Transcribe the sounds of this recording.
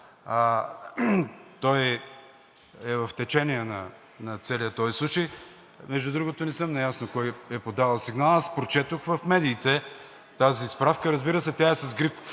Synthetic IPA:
t̪ɔj | ɛvɐft̪ɛt͡ʃɛniənɐ | nɐt̪sɛlijət̪ɔjslˠut͡ʃəj | mɛʒd̪ud̪ɾuɡot̪onɛsɤmnɐjasnokɔjɛpod̪avɐlˠsiɡnalˠəspɾot͡ʃɛt̪oxvɐfmɛd̪iːt̪ɛ | t̪aziːspɾafkəɾɐzbiɾəsɛt̪ʲaɛsɐzɡɾif

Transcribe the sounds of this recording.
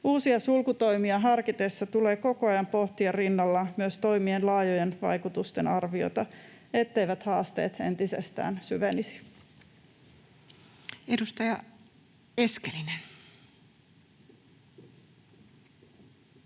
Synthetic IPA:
uːsiɑsulkut̪o̞jmiɑɦɑrkit̪esːɑt̪ule̞ːko̞ko̞ɑjɑmpo̞ht̪iɑrinːɑlːɑmyøst̪o̞jmienlɑːjojenʋɑ̰jkut̪ust̪e̞nɑrʋio̞̰t̪ɑe̞t̪ːe̞jʋæt̪hɑːst̪e̞̰ːt̪e̞̰nt̪isest̪æ̰ːnsyʋenisi̥ | edust̪ɑjɑ | eskelinen

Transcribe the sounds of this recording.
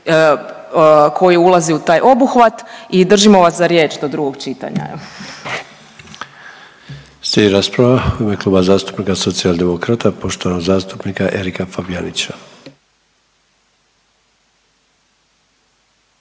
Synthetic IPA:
kʰo̞jiulˠaziut̪aːjʔo̞buxʋat̪id̪r̩ʒimo̞ʋaszaɾjeːt͡ʃd̪o̞d̪ɾuɡo̞ɡt͡ʃit̪a̰ɲa̰ | seiɾaspɾaʋauime̞kluːbazaːst̪u̥pnikaso̞t̪siald̪e̞mo̞kɾat̪apo̞ʃt̪o̞ʋanoɡzaːst̪upnikaʔe̞ɾikafabjanit͡ɕa

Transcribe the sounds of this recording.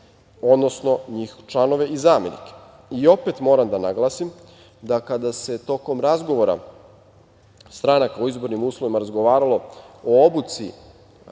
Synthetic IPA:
o̞d̪nosno̞ɲiːxt͡ʃlˠano̞ʋe̞izaːmenḭke̥ | io̞pe̞t̪mo̞ːɾamd̪anaɡlˠasim | d̪akad̪ase̞t̪o̞ko̞mɾazɡo̞ʋo̞ɾa̰ | st̪ɾanakaoizbo̞ɾnimuːslˠoʋimaɾazɡoʋaːɾalo̞oobut̪sḭ

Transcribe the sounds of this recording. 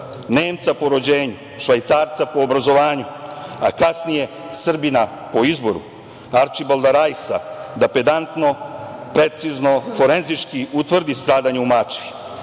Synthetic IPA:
ne̞ːmt̪sapo̞ɾo̞d͡ʑeːɲu | ʃʋajt̪saːɾt̪sapo̞ːbɾazo̞ʋaːɲuakasnije̞ | sr̩bina | po̞izbo̞ɾṵ | aɾt͡ʃibolˠd̪aɾajsad̪aped̪ant̪no̞pɾet̪sizno̞fo̞ɾe̞nzit͡ʃkiut̪ʋr̩d̪ist̪ɾaːd̪aɲeumat͡ʃi

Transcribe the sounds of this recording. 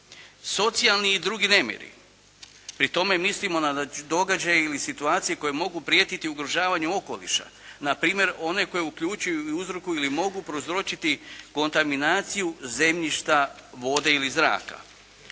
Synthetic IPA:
so̞t̪sialˠniːd̪ɾuːɡine̞mʲjḛɾḭ | pɾit̪o̞me̞mislimo̞nad̪o̞ɡad͡ʑajeilisit̪uaːt̪sijeko̞jemo̞ɡupɾijeːt̪it̪iuɡɾoʒaːʋaɲuo̞ko̞̰lḭʃa̰ | napɾiːmje̞ɾo̞ne̞ko̞jeukʎuːt͡ʃujuiuzɾokuilimo̞ɡupɾozɾot͡ʃit̪iko̞nt̪aminaːt̪sijuze̞mʎiʃt̪aʋo̞d̪e̞ilizɾa̰ːka̰

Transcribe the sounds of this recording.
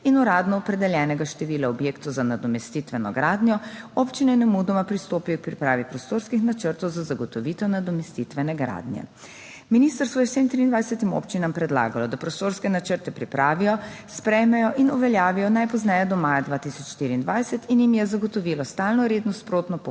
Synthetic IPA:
inɔɾaːd̪nɔɔpɾɛd̪ɛljɛːnɛɡaʃt̪ɛʋiːlaɔbjeːkt̪ɔzanad̪ɔmɛst̪it̪ʋɛnɔ̰ɡɾaːd̪nʲjɔopt͡ʃinɛnɛmud̪ɔmapɾist̪oːpijɔk̚pɾipɾaːʋipɾɔst̪oːɾskixnat͡ʃəɾt̪ɔwzazaɡɔt̪ɔʋiːt̪ɛwnad̪ɔmɛst̪it̪ʋɛnɛɡɾa̰ːd̪njɛ̰ | miniːst̪əɾst̪ʋɔjɛsemt̪ɾiːnd̪ʋajsɛt̪imo̰pt͡ʃinampɾɛd̪la̰ːɡalɔd̪apɾɔst̪oːɾskɛnat͡ʃəɾt̪ɛpɾipɾaːʋijɔspɾɛjmɛjɔʔinuʋɛljaːʋijɔnajpɔznɛjɛd̪ɔmaːjad̪ʋaːt̪isɔt͡ʃʃt̪iɾiːnd̪ʋajsɛt̪injimjɛzaɡɔt̪ɔʋiːlɔst̪alnɔɾeːd̪nɔspɾoːt̪nɔp

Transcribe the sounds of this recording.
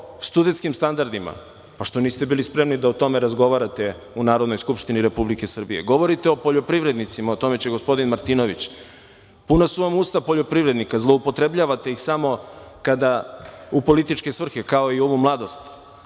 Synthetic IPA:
st̪ud̪e̞nt̪kimst̪and̪aɾd̪ima̰ | paʃt̪o̞niːst̪e̞biːlispɾe̞mnid̪aot̪o̞meɾazɡo̞ʋaɾat̪e̞ | unaːɾo̞d̪no̞jskupʃt̪iniɾe̞publike̞sr̩bijḛɡo̞ʋo̞ɾit̪eo̞po̞ʎo̞pɾiʋɾe̞d̪nit̪simaot̪o̞me̞t͡ɕeɡo̞spo̞d̪inmaɾt̪ino̞ʋit͡ɕ | punasuʋamuːst̪apo̞ʎo̞pɾiʋɾe̞d̪nikazlˠo̞upo̞t̪ɾe̞bʎaʋat̪e̞ixsamo̞kad̪aupo̞lit̪it͡ʃke̞sʋr̩xe̞kao̞io̞ʋumlˠad̪o̞st̪

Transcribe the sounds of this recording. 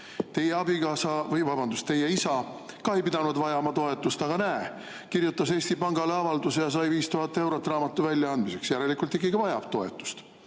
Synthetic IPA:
t̪e̞je̞ɑb̥ikɑːsɑvɤjvɑbɑnd̪ust̪ːe̞je̞isɑ | kɑhejpid̪̥ɑnud̪vɑjɑmɑt̪o̞e̞t̪ːˑust̪ɑɡ̥ɑnæe | kirjut̪ːˑɑse̞ːst̪ipɑŋɡ̥ɑle̞ɑvɑld̪usejɑs̬ɑjviːst̪uɦɑt̪ːˑe̞wɾo̞t̪ːˑrɑːmɑt̪ːˑuvælʲjɑɑnd̪̥mise̞ksjæɾe̞likult̪ːiɡiɡ̥ivɑjɑpt̪o̞e̞t̪ːˑu̥st̪

